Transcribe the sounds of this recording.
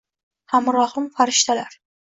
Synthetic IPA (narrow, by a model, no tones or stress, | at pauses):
hamɾɒhɪmfaɾɪʃt̪ʰalaɾ